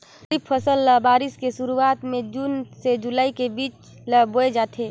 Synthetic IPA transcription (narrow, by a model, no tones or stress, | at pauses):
ipʰːəsəlːəbaːɾɪskesuɾuaːt̪mẽd͡ʒuːnsed͡ʒulaːikebiːt͡ʃ | ləboed͡ʒaːt̪ʰeː